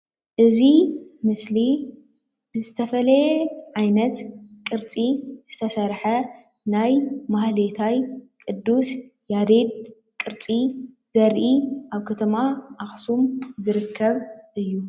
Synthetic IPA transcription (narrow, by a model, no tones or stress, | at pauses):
ʔɨzimɨsli | b̥ɨzɨt̪ʰɐfɐlɐʕajnɐt̪kʼɨɾt͡sʼiz̥ɨt̪ʰɐsɐɾħɐ | najmahlet̪ʰajkʼɨd̪ːusjad̪ed̪ | kʼɨɾt͡sʼi | z̥ɐɾʔiʔaβkʰɐt̪ʰɐmaʔaxsumzɨɾɨkʰːɐβʔɨjːu